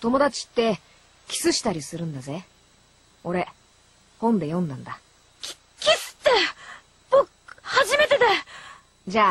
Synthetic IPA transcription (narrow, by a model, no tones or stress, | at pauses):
t̪o̞mo̞d̪at͡ɕi̥t̪ːe̞ | kʲi̥sɨɕi̥t̪aɾʲisɨɾɯ̟̃nd̪aze̞ | o̞ɾe̞ | hõ̞nd̪e̞jõ̞nd̪ãnd̪a | kʲi̥ | kʲisɨ̥t̪e | b̥okhaʑime̞t̪e̞d̪e | d͡ʑaː